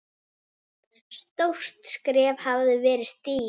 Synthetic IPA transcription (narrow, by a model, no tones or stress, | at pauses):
st̪ow̥st̪skɾɛːv̥havðʏvɛːɾɪst̪iː